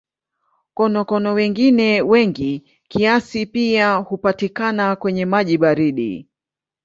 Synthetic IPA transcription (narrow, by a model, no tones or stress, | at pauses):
kɔnɔkɔnɔwɛŋɡinɛwɛŋɡi | kiasipiahupatikanakwɛɲɛmaʄiɓaɾiɗḭ